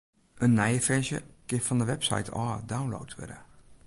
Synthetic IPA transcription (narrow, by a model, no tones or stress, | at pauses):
ənːɛjəfɛʃjə̰kɪnfɔndəʋɛpsa̰jtʰɔːdawnlo̰wtʋɪ̰də̰